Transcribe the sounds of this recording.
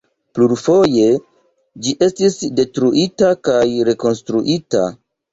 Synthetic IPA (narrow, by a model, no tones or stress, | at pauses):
pluɾfo̞je̞ | d͡ʒiʔe̞stisde̞tɾuʔitakajɾe̞ko̞nstɾuʔita̰